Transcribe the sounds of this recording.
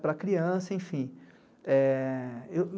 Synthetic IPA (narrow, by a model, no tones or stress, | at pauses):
pɾɐkɾiɐ̃sɐẽfĩ | ɛ | ew